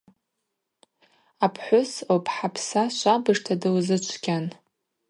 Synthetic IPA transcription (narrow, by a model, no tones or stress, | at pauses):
apʰħʷʊsopʰħapʰsaʃʷabɨʐtʰadɨwzɨt͡ʃʷʰɡʲan